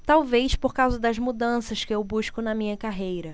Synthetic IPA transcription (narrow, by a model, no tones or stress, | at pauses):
t̪awvejʃpoɾkawzɐd̪ɐzmud̪ɐ̃sɐʃkɪewbuʃkʊnɐmĩɲɐkaɦejɾɐ